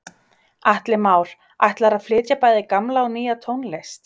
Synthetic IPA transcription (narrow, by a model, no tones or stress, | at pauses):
aht̪lɪmaːwɾ̥ | aht̪laɾaflɪːcapaːjðɪkamlawniːjat̪ʰoːwnlejst̪